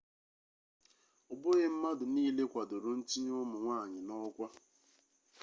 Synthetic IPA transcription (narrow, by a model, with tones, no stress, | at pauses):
ʊ˨bʊ˦ɣe˦m̩˦ma˦dʊ˨niː˦le˦kʷa˨do˨ɾʊ˦n̩˦t͡ʃi˦ɲ˦ʊ˦mʊ˨ŋʷaː˦˨ɲɪ˨nɔ˦kʷa˦